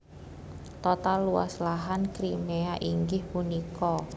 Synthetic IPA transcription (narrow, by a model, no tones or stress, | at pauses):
t̪ɔt̪alːuwa̰slaɦankɾimeaʔiŋɡɪhpunikɔ